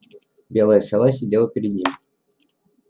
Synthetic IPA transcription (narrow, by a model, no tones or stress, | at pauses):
bʲelˠəjəsʲalˠas̬ʲɪdʲelˠəpʲɪɾʲɪd̪̚nʲim